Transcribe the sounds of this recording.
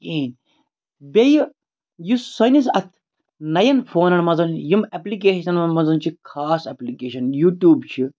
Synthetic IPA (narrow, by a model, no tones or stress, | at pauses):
eːn | bʲej | jusɐnisɐt̪ʰ | nɐjɐnfʰoːnɐnmɐzɐnjimeplik̬eːʃɐnɐmɐzɐnt͡ʃʰikʰaːsɐplikeːʃɐnjuːʈjuːbt͡ʃʰi